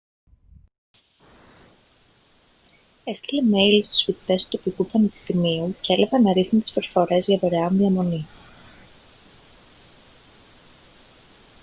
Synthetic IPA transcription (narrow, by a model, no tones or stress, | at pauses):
e̞st̪ileme̞jlst̪u̥sfit̪e̞st̪u̥t̪o̞pikupɐnepi̥st̪imiuceelepɐnɐɾiθnunt̪i̥spɾo̞fo̞ɾe̞zʝɐvoɾeɐmðiɐmo̞ni